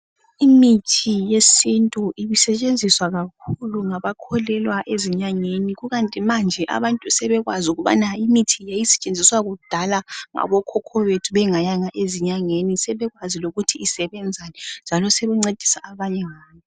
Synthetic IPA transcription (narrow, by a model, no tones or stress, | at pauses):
imitʰijesintʼuʔiβisɛt͡ʃʼend͡zʱiswaɣakʰuluŋaβakʰɔlɛlwaʔeziɲaŋeniɣuɣantʼimand͡ʒʱɛʔa̰βantʼusɛβɛɣwazuɣuβa̰naimitʰijajisɛ̥t͡ʃʼend͡zʱiswaɣud̥ʱalaŋa̰βɔkʰɔkʰɔβetʰuβɛŋajaŋaʔeziɲaŋenisɛβɛɣwaziloɣutʰiːsɛβɛnd͡zʱanɛnd͡ʒʱalɔseβuŋ͡ǀed̥ʱi̥saaβaɲɛŋaːnɔ